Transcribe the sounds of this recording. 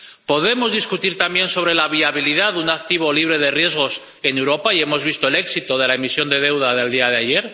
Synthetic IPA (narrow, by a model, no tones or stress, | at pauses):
po̞ðe̞mo̞zðiskut̪iɾt̪ambje̞nso̞βɾe̞laβiaβ̞iliðaðunakt̪iβ̞o̞liβ̞ɾe̞ð̞e̞rje̞zɣo̞s | e̞newɾo̞paie̞mo̞zβist̪o̞e̞le̞ksit̪oð̞e̞laemisjo̞nd̪e̞ð̞e̞wð̞aðe̞ld̪iaðeaje̞ɾ